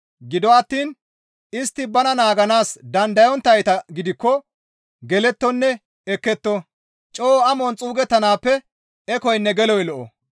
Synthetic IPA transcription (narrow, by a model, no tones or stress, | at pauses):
ɡɪd̪ɔɐt̪ːiːn | ɪst̪ːɪbɐnɐnaːɡɐnaːsd̪ɐnd̪ɐjɔnt̪ːɐjt̪ɐɡɪd̪ɪkːɔ | ɡɛlɛt̪ːɔnːɛ | ɛkːɛt̪ːɔ | t͡ʃʼoːɐmɔnt͡sʼuːɡɛt̪ːɐnaːpːɛ | ɛkɔjnːɛɡɛlɔjlɔʔɔ̰